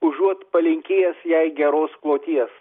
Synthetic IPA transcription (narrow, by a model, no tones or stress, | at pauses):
ʊʒuɔt̪pɐlʲɪŋʲkʲeːjɛsjɛɪɡʲɛɾoːsklˠoːt̪ʲiɛs